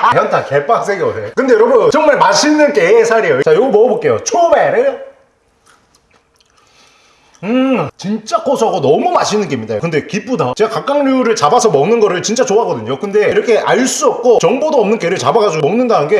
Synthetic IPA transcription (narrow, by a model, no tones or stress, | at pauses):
antʰakeɭp͈aks͈eɡeosʰejokɯnde̞jʌʌbot͡ɕʌŋmaɭmaɕʰinɯnkeːsʰaɾijot͡ɕajoɡɭmʌbok͈e̞jot͡ɕʰobaɾejo | ɯt͡ɕint͡ɕ͈akosʰaɡonʌmumaɕʰinɯnkemɲida̰jokɯnde̞kip͈udat͡ɕe̞ɡakak͈aŋʎuɾɯɭt͡ɕabasʰʌmʌŋnɯnɡʌɾɯɭt͡ɕint͡ɕ͈at͡ɕoɦaɡʌdɯɲokɯnde̞iɾʌkʰe̞ʔaɭs͈uʌp̚k͈ot͡ɕʌŋbodoʌmnɯnk͈eɾɯɭt͡ɕabaɡad͡ʑiomʌŋnɯndanɯnɡe̞